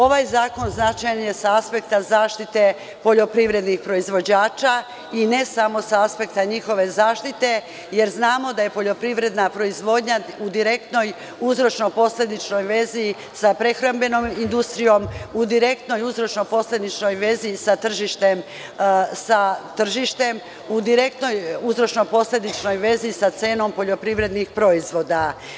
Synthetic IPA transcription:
o̞ʋajzaːko̞nznat͡ʃajanje̞saaspe̞k̚t̪azaːʃt̪it̪e̞ | po̞ʎo̞pɾiʋɾe̞d̪nixpɾo̞izʋo̞d͡ʑaːt͡ʃa | ine̞samo̞saaspe̞kt̪aɲixo̞ʋe̞zaːʃt̪it̪e̞ | je̞ɾznaːmo̞d̪aje̞po̞ʎo̞pɾiʋɾed̪napɾo̞izʋo̞d̪ɲaud̪iɾe̞kt̪no̞j | uzɾo̞t͡ʃno̞po̞sle̞d̪it͡ʃno̞jʋe̞zi | sapɾe̞xɾambe̞no̞mind̪ust̪ɾijo̞mud̪iɾe̞kt̪no̞juzɾo̞t͡ʃno̞po̞sle̞d̪it͡ʃno̞jʋe̞zisat̪r̩ʒiʃt̪e̞m | sat̪r̩ʒiʃt̪e̞m | ud̪iɾe̞k̚t̪no̞juzɾo̞t͡ʃno̞po̞sle̞d̪it͡ʃno̞jʋe̞zisat̪se̞ːno̞mpo̞ʎo̞pɾiʋɾe̞d̪nixpɾo̞izʋo̞d̪a

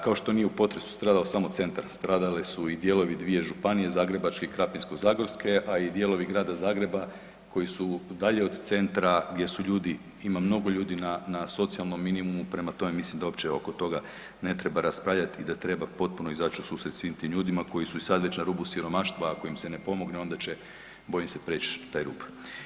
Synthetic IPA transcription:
kao̞ʃt̪o̞nijeupo̞t̪ɾe̞su̥st̪ɾaːd̪alosamo̞t̪se̞nt̪aɾst̪ɾaːd̪alesuid̪je̞lo̞ʋid̪ʋije̞ʒupanije̞zaːɡɾe̞bat͡ʃke̞ikɾapinsko̞zaːɡoɾske̞ʔaid̪je̞lˠo̞ʋiɡɾaːd̪azaːɡɾe̞ba | kʰo̞jisud̪aʎe̞o̞d̪t̪se̞nt̪ɾaɡd̪ʲje̞suʎuːd̪i | imamno̞ɡo̞ʎuːd̪inanaso̞t̪sialˠno̞mːinimumupɾe̞mat̪o̞memislimd̪ao̞pt͡ɕeo̞ko̞t̪o̞ɡa | ne̞t̪ɾe̞baɾaspɾaʋʎʲat̪id̪at̪ɾe̞bapo̞t̪̚puno̞izat͡ʃusuːsɾet̪sʋiːmt̪imʎuːd̪imako̞jisuisad̪ʋe̞t͡ɕnaɾuːbusiɾo̞maʃt̪ʋaako̞imse̞ne̞po̞mo̞ɡneo̞nd̪at͡ɕe | bo̞jimse̞pɾet͡ʃt̪aːjɾṵːb

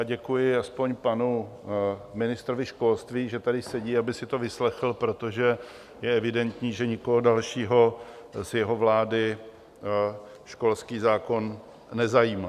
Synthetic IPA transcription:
jaɟɛkujɪaspo̞ɲpanu | mɪnɪst̪ɾovɪʃko̞lst̪viːʒɛt̪adɪsɛɟiːabɪsɪt̪o̞vɪslɛxl̩pɾo̞t̪o̞ʒɛ | jɛɛvɪdɛnt̪ɲiːʒɛɲɪko̞ɦodalʃiːɦo̞zjɛɦo̞vlaːdɪ | ʃko̞lskiːzaːko̞n | nɛzajiːma

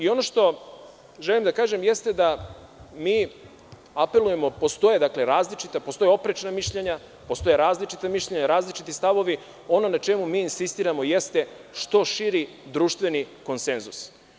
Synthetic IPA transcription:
io̞no̞ʃt̪o̞ | ʒelimd̪akaːʒe̞mje̞st̪e̞d̪a | miː | ape̞luje̞mo̞po̞st̪o̞je̞d̪akle̞ɾaːzlit͡ʃit̪apo̞st̪o̞jeo̞pɾet͡ʃnamiʃʎeɲa | po̞st̪o̞jeɾaːzlit͡ʃit̪amiʃʎeɲaɾaːzlit͡ʃit̪ist̪aʋo̞ʋi | o̞no̞nat͡ʃe̞mumiːnsist̪iːɾamo̞je̞st̪e̞ | ʃt̪o̞ʃiɾi | d̪ɾuːʃt̪ʋe̞niko̞nse̞nzus

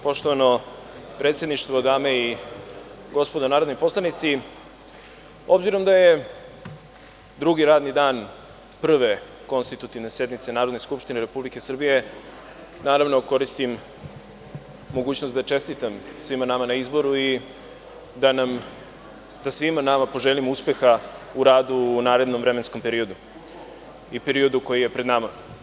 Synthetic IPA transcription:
po̞ʃt̪oʋano̞pɾet̪sje̞d̪niʂt̪vod̪aːmei | ɡo̞spo̞d̪onaːɾod̪nojpo̞slˠanit̪si | o̞bziɾo̞md̪aje | d̪ɾuɡiɾaːd̪nid̪aːn | pr̩ʋe | ko̞nst̪it̪ut̪iʋne̞sje̞d̪nit̪se̞naːɾo̞d̪neskupʃt̪ineɾe̞publike̞srbije̞ | naːɾaʋno̞ko̞ɾist̪im | o̞ɡuːt͡ɕnost̪d̪at͡ʃe̞st̪it̪amsʋimanamanaizbo̞ɾui | d̪anam | d̪asʋimanamapo̞ʒelimuspe̞xauɾaːd̪unaːɾe̞d̪nomvɾemensko̞mpe̞ɾio̞d̪u | ipe̞ɾio̞d̪uko̞jije̞pɾed̪nama

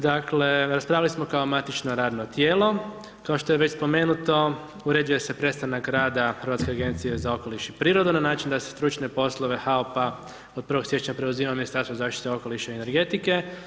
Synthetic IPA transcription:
d̪akle̞ɾaspɾaːʋjalismo̞kaomat̪it͡ʃno̞ɾaːd̪no̞t̪jeːlo̞ | kaoʃt̪o̞jeʋe̞t͡ɕspo̞meːnut̪o̞ | uɾe̞d̪uje̞sepɾe̞st̪anakɾaːd̪axəɾʋat̪ke̞aɡe̞nt̪sije̞zao̞ko̞liʃipɾiːɾod̪unanaːt͡ʃind̪asest̪ɾut͡ʃne̞po̞slˠoʋe̞xaopa | o̞d̪̚pɾ̩ʋo̞ɡsje̞t͡ʃɲapɾe̞uziːmaminist̪aɾst̪ozaːʃt̪it̪eo̞ko̞liʃaiene̞ɾɡe̞t̪ike̞

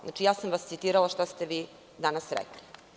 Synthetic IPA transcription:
na̰t͡ʂijaːsamʋast̪sit̪iːɾalaʃt̪ast̪eʋiː | d̪anasɾḛkli̥

